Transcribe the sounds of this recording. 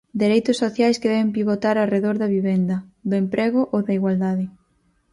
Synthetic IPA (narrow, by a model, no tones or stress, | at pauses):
d̪eɾejt̪ʊsːoθjajskeðɛβempiβot̪aɾareðoɾðɐβiβɛnd̪ɐd̪ʊempɾʔɛɣʊʔoðɐiɣwald̪aðɪ